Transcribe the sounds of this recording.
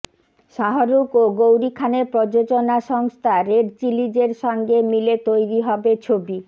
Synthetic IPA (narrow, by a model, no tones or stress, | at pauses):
ʃaɦoɾukoɡowɾikʰanepɾod͡ʑod͡ʑonaʃɔŋst̪ʰaɾeɖt͡ɕilid͡ʑeɾʃɔŋɡemilet̪ojɾiɦɔbet͡ɕʰobi